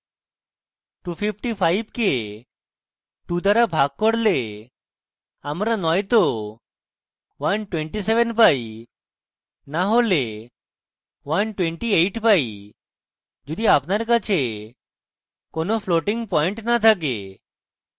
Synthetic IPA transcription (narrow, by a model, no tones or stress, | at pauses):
ʈupʰipʰʈipʰajbke | ʈud̪aɾabʱaɡ̚kɔɽle | amɾanɔjt̪o | ʋanʈwẽɳʈiseʋənpaj | naɦole | ʋanʈweɳʈiejʈpai | d͡ʑod̪ʱiapnaɾkat͡ɕʰe | konofloʈiŋɡpɔjɳʈnat̪ʰak̬ḛ